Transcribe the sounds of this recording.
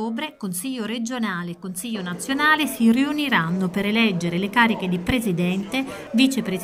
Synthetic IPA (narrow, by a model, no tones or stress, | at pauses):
oːbɾekonsiʎːoɾed͡ʒonaːleːkːonsiʎːonat̪sːjonaːlesiriuniɾanːopeɾelɛd͡ʒːeɾelekaːɾiked̪ipɾezid̪ɛnt̪e | vit͡ʃepɾe